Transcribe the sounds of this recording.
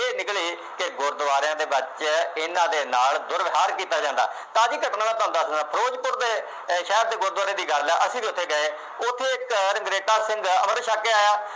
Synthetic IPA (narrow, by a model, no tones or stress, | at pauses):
eːnɪkliː | kɪɡʊɾd̪əʋaːɾɪjãːd̪eːbət͡ʃɪnãːd̪eːnaːld̪ʊɾʋɪɦaːɾkiːt̪aːd͡ʒãːnd̪a̰ː | t̪ãːəd͡ʒiːkəʈnãːʋaːt̪ãːnd̪aːsaːpʰəɾoːd͡ʒpʊɾd̪eː | ʃɛːɾ̚d̪eːɡʊɾd̪ʋaːɾjãːd̪iːɡəɾlɛːʔəsĩːd̪iːʊt̪ʰːeːɡəeː | ʊt̪ʰːeːɪkɾɪŋɡɾeːʈaːsɪ̃ŋɡə̰məɾnʃaːkeːaːjaː